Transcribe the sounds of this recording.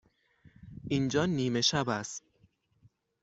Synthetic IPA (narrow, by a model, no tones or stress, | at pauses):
ʔind͡ʒɒːniːme̞ʃæbæst̪